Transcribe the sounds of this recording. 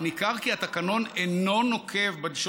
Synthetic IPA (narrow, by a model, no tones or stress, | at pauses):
nikaʁkiat̪akano̞neno̞no̞kʰe̞vbad̪iʃ